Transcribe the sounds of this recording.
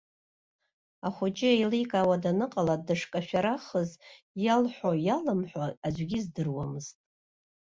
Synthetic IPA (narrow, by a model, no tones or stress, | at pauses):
aχʷʊd͡ʒʼɪejlijkʼaːwadanɨqʼaladaʂkʼaʃᶣaɾaχəz | jalħʷojalɨmħʷaad͡ʒʷɡʲizdɨrwamɨztʼ